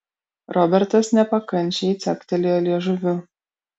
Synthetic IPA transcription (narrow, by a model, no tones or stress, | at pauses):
ɾɔbʲɛɾt̪ɐsnʲɛpɐkɐnʲˑt͡ʃʲeit̪sʲɛkt̪ʲɛlʲɪjɔlʲiɛʒʊʋʲʊ